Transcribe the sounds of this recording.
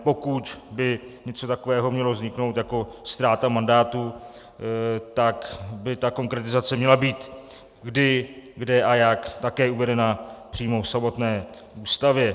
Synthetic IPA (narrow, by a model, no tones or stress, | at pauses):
po̞kut̪bɪɲɛt͡so̞t̪akovɛːɦo̞mɲɛlo̞vzɲɪkno̞wt̪jako̞st̪ɾaːt̪amandaːt̪u | t̪akbɪt̪ako̞ŋkɾɛt̪ɪzat͡sɛmɲɛlabiːt̪ | ɡdɪɡdɛajakt̪akɛːuvɛdɛnapr̥iːmofsamo̞t̪nɛː | ʔuːst̪avjɛ